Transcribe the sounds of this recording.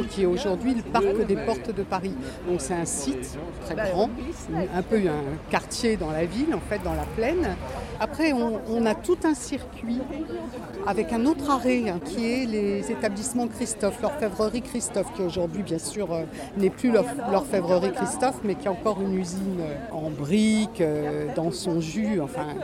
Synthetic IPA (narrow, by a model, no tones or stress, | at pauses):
kʲiɛoʒuʁd̪ɥiləpaʁkd̪epɔʁt̪d̪əpaʁid̪ɔ̃ksɛt̪ɛ̃sit̪ | t̪χɛɡʁɑ̃ɛ̃pøɛ̃kaʁt̪jed̪ɑ̃lavilɑ̃fɛt̪̚d̪ɑ̃laplɛnapχɛɔ̃ːnat̪ut̪ɛ̃siʁkʲɥi | avɛkɛ̃not̪χaʁɛɛ̃kʲʰiɛlezet̪ablismɑ̃kχist̪ɔflœʁfɛvʁəʁikχist̪ɔfkʲioʒuʁd̪ɥibjɛ̃syːʁø | nɛplylœʁlœʁfɛvʁəʁikχist̪ɔfmɛkʲiɛɑ̃kɔʁynyzinøɑ̃bʁikød̪ɑ̃sɔ̃ʒyɑ̃fɛ̃